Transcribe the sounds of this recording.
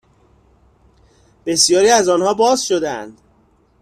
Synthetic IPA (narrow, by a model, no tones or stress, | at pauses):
b̥e̞sjɒːɾiːæzɒːnhɒːbɒːzʃod̪ææ̰nd̪̥